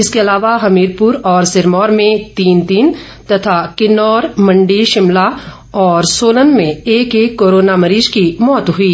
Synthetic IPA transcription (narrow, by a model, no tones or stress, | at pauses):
ɪskeɐlaːʋaɦɐmiːɾpuːɾɔːɾsɪɾmɔːɾmẽt̪iːnt̪iːn | t̪ɐt̪ʰakɪnɔːɾmɐ̃ɳɖiʃɪmla | ɔːɾsoːlənmẽeːkeːkːoːɾoːnamɐɾiːʃkimɔːt̪ɦʊiː